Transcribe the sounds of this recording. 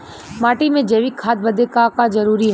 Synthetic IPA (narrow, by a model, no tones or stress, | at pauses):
maːʈimẽd͡ʒeːʋikʰaːt̪̚bɐd̪ekakad͡ʒɐɾuːɾiɦ